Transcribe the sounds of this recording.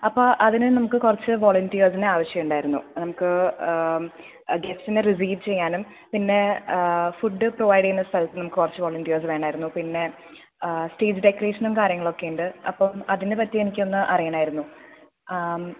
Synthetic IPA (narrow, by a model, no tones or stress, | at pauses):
ɐpːoːʔɐðinɨnɐmukːɨkurɐt͡ɕːɨʋo̞ːɭɐntijɐrsineaːʋɐɕjɐjuɳɖaːjiɾunːṵnɐmukːɨ | ɡefsineris̬iːʋt͡ɕejːaːnum | pinːe̞ | fuɖːɨproʋɐjɽiinːɐst̪ʰɐlɐt̪ːɨnɐmukːɨkurɐt͡ɕːɨʋoːɭɐntijɐrs̬ʋe̞ːɳaːjiɾunːupinːe̞ | sʈe̞ːd͡ʑɖekːɐre̞ːʂɐnumkaːɾjɐŋːɐɭo̞kːe̞juɳɖɨɐpːɐmɐðinepɐtːie̞nikʲːo̞nːɨʔɐrijaːɳaːjiɾunːu